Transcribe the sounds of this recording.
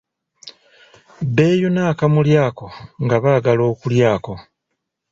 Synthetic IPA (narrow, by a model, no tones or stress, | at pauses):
be̞ːjunaːkamuljaːko̞ŋɡaβaɡalo̞ːkuljaːko̞